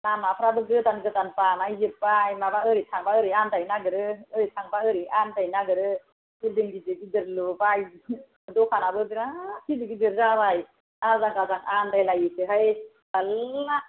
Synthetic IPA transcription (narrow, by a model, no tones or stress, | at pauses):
namapʰɾabɯɡɯtanɡɯtanpanajzɯpːajmabaɯɾitʰaŋbaɯɾiandajnaɡɯɾɯɯɾitʰaŋbaɯɾiantajnaɡɯɾɯ | biɾdɯŋɡizɯɡidɯɾlɯbaj | dɔkʰanabɯbiɾakʰizɯɡidɯɾzabaj | azaŋkazaŋandajlajɯtɯɦaj | ala